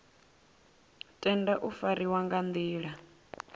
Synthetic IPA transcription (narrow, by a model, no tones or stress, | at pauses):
tʼɛndaʔufaɾiwaŋɡand̪iːɺa